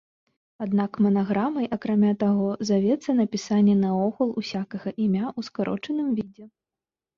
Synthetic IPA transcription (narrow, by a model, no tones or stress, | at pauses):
ad̪nakmɐnaɣɾamɐjʔɐkɾamʲat̪aɣɔzavʲɛt̪sːɐnɐpʲisanʲːɛnɐɔxulˠusʲakɐɣɐʔimʲaʔuskaɾʔɔ̰t͡ʂɐnɨmvʲid͡zʲɛ